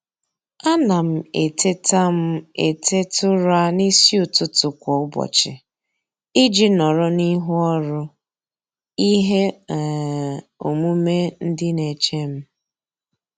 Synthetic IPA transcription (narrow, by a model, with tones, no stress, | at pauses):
a˦na˨m̩˦˨e˨te˦ta˦m̩˦ḛ˨tʰe˦tʊ˦ɾa˦ni˦si˦ʊ˨tʊ˦tʊ˨kʷɔ˨ʊ˦bɔ̰˨t͡ʃɪ̰˨ | ɪ˦d͡ʒi˦nɔ˨ɾɔ˦ni˦ɦu˦ɔ˦ɾʊ˦ | i˦ɦe˦˨ | o˨mu˦me˦n̩˦dɪ˦ne˨t͡ʃe˦m̩˦